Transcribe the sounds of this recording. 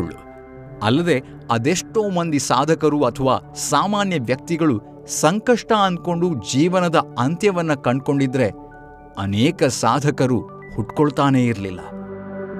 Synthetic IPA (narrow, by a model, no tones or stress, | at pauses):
ɭːṵ | ɐ̰lːɐd̪e̞ | ɐd̪eʂʈo̞ːmɐnd̪isaːd̪ʱɐkɐɾuɐt̪ʰɐʋaːsaːmaːnjɐʋjɐk̚t̪iɡɐɭu | sɐŋkɐʂʈɐɐnd̪ko̞ɳɖud͡ʒiːʋɐnɐd̪ɐɐnt̪jɐʋɐnːɐkɐɳɖko̞ɳɖid̪ɾe̞ | ɐ̰nɛːkɐsaːd̪ʱɐkɐɾu | huʈkoɭt̪aːne̞ːiɾlilːɐ̰